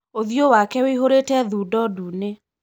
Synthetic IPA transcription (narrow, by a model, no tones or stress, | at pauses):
oðiowakɛweiɦoɾetɛðuːdɔdune